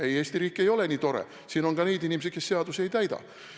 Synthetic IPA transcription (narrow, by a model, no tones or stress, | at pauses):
eje̞ːst̪iɾiːkːˑe̞jo̞leniːt̪o̞ɾḛ | siːnonɡɑne̞jd̪inʲimes̬et̪̚ke̞sːe̞ɑd̪usejt̪æjd̪ɑ̰